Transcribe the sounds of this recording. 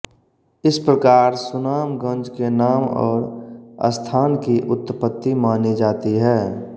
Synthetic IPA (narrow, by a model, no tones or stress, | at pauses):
ɪspɾəkaːɾsʊnaːmɡə̃nd͡ʒkenaːmɔ̰ːɾə̰st̪ʰaːnkiʔʊt̪ːpət̪ːimaːnid͡ʒaːt̪iɦɛː